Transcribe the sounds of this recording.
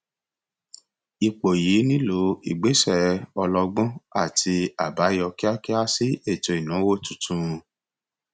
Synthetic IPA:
i˧k͡po˨ji˨˦nĩ˦lo˨˦ḭ˨ɡ͡be˨˦sɛ˦˨˦ɔ˧lɔ˧ɡ͡bɔ̃˦a˦˨tʰi˧a˨ba˨˦jɔ˧ki˦a˦ki˦a˦si˦e˦˨tɔ˧˨i˨nã˨˦wo˦tu˨tũ˧ɾũ˧

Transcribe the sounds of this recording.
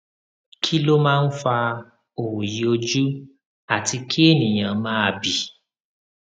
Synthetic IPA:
kʰi˦lo˦mãː˦˧n̩˦fa˧ | o˨wu˨ji˨˦o˧d͡ʒu˦ | a˨ti˧˦kʰi˦e˦˨nĩ˨j̃ã˨mãː˦a˧bi˨

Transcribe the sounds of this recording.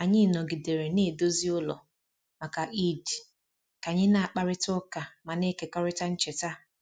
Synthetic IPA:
a˨ɲɪ˦nɔ˨ɡi˨de˨ɾe˨ne˦˨do˦zi˦ʊ˦lɔ̰˨ | ma˨ka˨ʔi˦d | ka˨ɲɪ˦na˦a˨k͡pa˦ɾɪ˦tɔ˦ka˨ma˨ne˦ke˨kɔ˦ɾɪ˦ta˦n̩˦t͡ʃe˨ta˦

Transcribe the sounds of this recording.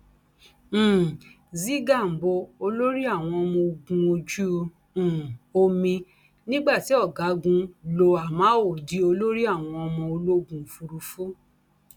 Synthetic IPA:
zi˦ɡa˦˨m̩˨bo˧o˧lo˦ɾi˦a˦˨w̃ɔ̃˧ɔ˧mɔ̃˧o˧ɡũ˧o˧d͡ʒũ˦˧˨ | o˧mĩ˧ | nĩ˦ɡ͡ba˦˨ti˨˦ɔ˦˨ɡa˨˦ɡũ˧lo˧a˨mã˨˦o˨di˨˦o˧lo˦ɾi˦a˦˨w̃ɔ̃˧ɔ˧mɔ̃˧o˧lo˦˨ɡũ˧˨fu˧ɾu˧fu˦

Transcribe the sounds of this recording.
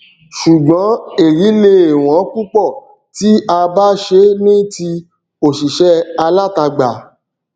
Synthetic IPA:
ʃu˨ɡ͡bɔ̃˨˦e˨ɾi˨˦le˧e˨w̃ɔ̃˨˦k͡pu˦k͡pɔ˦˨ | ti˨˦a˧ba˦ʃe˧˦nĩ˦ti˧ | o˨ʃi˨ʃɛ˦a˧la˦˨ta˧ɡ͡ba˨

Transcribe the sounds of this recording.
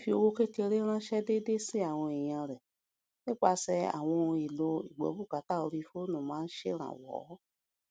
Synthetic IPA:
fi˧o˧wo˦ke˦te˧ɾe˦ɾ̃ã˦ʃɛ˦de˦de˦si˦a˨w̃ɔ̃˧i˨j̃ã˧ɾɛ˨ | ne˦k͡pa˧sɛ˧a̰˨w̃ɔ̃˧i˨lo˧ḭ˨ɡ͡bɔ̰˨˦bu˦˨ka˨˦ta˦˨o˧ɾi˧fo˦nã˨mãː˨˦n̩˦ʃḛ˦ɾ̃ã̰˨wɔ̰˨˦

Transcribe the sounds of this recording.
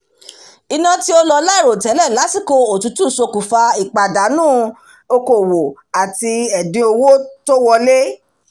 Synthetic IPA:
i˧nã˧ti˦o˧lɔ˧la˦i˦˨ɾo˨tɛ˨˦lɛ˦˨la˨˦si˦˨ko˧o˨tu˨˦tũ˦˨so˧ku˨fa˧i˨k͡pa˨da˨˦nũː˦ | o˧ko˨wo˨ | a˨ti˧ɛ˨dĩ˨˧o˧wo˦to˦wɔ˧le˦

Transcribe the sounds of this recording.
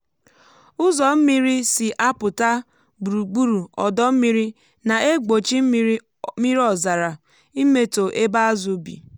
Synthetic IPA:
ʊ˦zɔ˨m̩˦mi˦ɾi˦si˨ʔa˦pʊ˨ta˦ | bu˨ɾu˨ɡ͡bu˦ɾu˨ɔ˨dɔ˦m̩˦mi˦ɾi˦ | na˨e˦ɡ͡bo˨t͡ʃi˦m̩˦ | mi˦ɾi˦ɔ˨za˨ɾa˨ | i˦me˦to˨ʔe˦ba˦a˦zu˨bḭ˨

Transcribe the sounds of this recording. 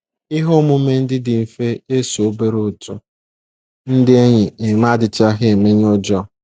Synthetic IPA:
ɪ˦ɦo˦mʊ˦me˦n̩˦dɪ˦dɪ˨m̩˨fe˦e˦so˨˦be˦ɾo˨tʊ˨ | n̩˦dɪ˦e˦ɲɪ˨ɪ˨ma˦dɪ˨t͡ʃa˦ɦɪ˦e˨me˦ɲ˦o˦d͡ʒɔ˦

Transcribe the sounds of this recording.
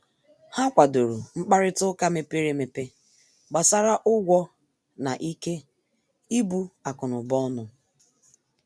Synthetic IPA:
ha˦kʷa˨do˨ɾu˨ŋ͡m̩˦k͡pa˦ɾɪ˦tʊ˦ka˦me˨pe˦ɾe˦me˨pe˦ | ɡ͡ba˨sa˦ɾa˦ʔʊ˦ɡʷɔ˦ | na˨ʔi˦ke˦ | i˦bu˦a˨kʊ˨nʊ˨bɔ˦nʊ˨

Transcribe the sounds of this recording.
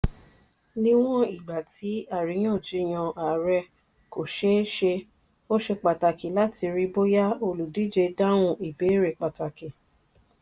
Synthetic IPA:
nĩ˦w̃ɔ̃˦i˦˨ɡ͡ba˨ti˨˦a˦˨ɾi˨˦j̃ã˦˨d͡ʒi˦j̃ã˧ʔa˨ɾɛ˧ | ko˨ʃe˦ʃe˧ | o˦ʃe˧k͡pa˨ta˨ki˨la˦ti˧ɾi˧bo˦ja˦o˧lu˨di˦d͡ʒe˧da˦w̃ũ˧ʔi˨be˨˦ɾe˨k͡pa˨ta˨ki˨

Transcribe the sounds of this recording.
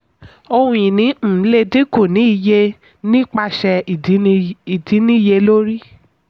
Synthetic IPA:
o˧hũ˧ĩ˨nĩ˨˦m̩˦˨˦le˧di˦ko˦˨nĩ˨˦i˧je˧ | nĩ˦k͡pa˧ʃɛ˧˨˦i˨di˨˦nĩ˦˨je˧lo˦ɾi˦

